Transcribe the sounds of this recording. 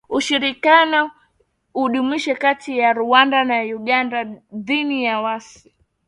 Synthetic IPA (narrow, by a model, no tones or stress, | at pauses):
uʃiɾikjanɔ | uɗumiʃɛkatʰijaɾuwandanajuɠandaðinijawas | i̥